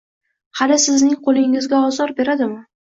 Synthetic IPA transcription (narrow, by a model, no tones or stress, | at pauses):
halɪsɪznɪŋqʰolˠɪŋɪzɡʲaɒzɒɾbe̞ɾad̪ɪmɪ